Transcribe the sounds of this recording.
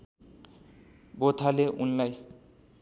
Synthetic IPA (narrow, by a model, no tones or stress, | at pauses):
bot̪ʰaleʔunlaj